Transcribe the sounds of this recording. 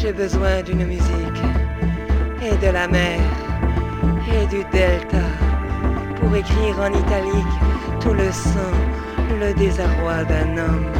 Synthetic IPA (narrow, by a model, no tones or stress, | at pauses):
ʒebəzwɛ̃d̪ynmyzik | ed̪əlamɛʁ | ed̪yd̪ɛlt̪a | puʁekχiʁɑ̃nit̪alikt̪uləsɑ̃ | ləd̪ezaʁwad̪ɛ̃nɔm